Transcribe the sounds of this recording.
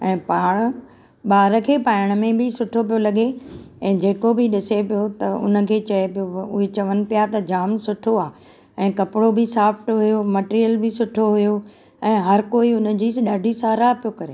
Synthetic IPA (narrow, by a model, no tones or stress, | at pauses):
ɛ̃ːpaːɽ̃ | ɓaːɾə̆kʰeːpaːɪɽ̃̆mẽbɪsʊʈʰop̬ijolɐɠe | ɛ̃ːd͡ʑeːkobʱɪɗɪsepijot̪ɐʊ̰nə̆kʰeːt͡ɕɐepijoʊɦet͡ɕɐʋənɪ̆pijat̪ɐd͡ʑaːmsʊʈʰoaː | ɛ̃ːkɐpɪɽobɪsaːfʰʈɦʊjomɐʈːɾijəlbʱɪsʊʈʰoɦʊjo | ɛ̃ːɦɐɾkoːiʊnə̆d͡ʑiːsɗaːɖʱisaːɾapijokɐɾeː